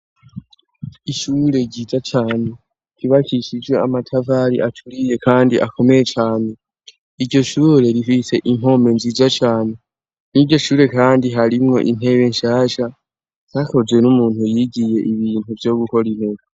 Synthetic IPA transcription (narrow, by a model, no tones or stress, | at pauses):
iʃuːɾe̞ɟiːzat͡ʃaːne̞ | ɾiβakʰiʃid͡ʒwe̞amatʰavaːɾḭʔatʰuɾije̞kʰaːndiʔakʰo̞me̞je̞t͡ʃaːne̞ | iɾɟo̞ʃuːɾe̞ɾifise̞ʔimo̞me̞nziːzat͡ʃaːne̞ | niɟo̞ʃuːɾe̞kaːndiɦaɾimŋo̞̰ʔin̥e̞βe̞ɲʃaːʃa | z̥ako̞zwe̞numuːnhujiɡije̞ʔiβiːn̥uvjo̞ɡuko̞ɾin̥e̞βa